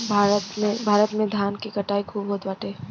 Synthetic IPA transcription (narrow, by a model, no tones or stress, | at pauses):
bʱaːɾət̪mẽbʱaːɾət̪mẽd̪ʱjaːnkikɐʈaːikʰuːbɦoːt̪ʋaːʈeː